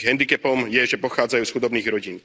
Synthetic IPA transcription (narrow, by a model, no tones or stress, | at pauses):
ɦɛnd̪ikɛpɔmjɛʒɛpɔxaːd͡zajuːsxud̪ɔbniːɣɾɔɟiːn